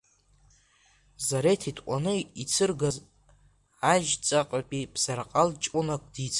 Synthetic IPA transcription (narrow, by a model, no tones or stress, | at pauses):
zaɾetʰitʰʷʼanɨit͡sʰɨrɡaz | aʒt͡sʼaqʼapʼib̥z̥arqʼalt͡ʃʼʷunakʷʼd̥it͡sʼ